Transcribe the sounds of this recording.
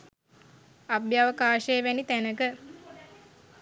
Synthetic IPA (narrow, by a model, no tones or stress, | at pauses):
abjaʋəkaːʃejːʋænit̪ænəkə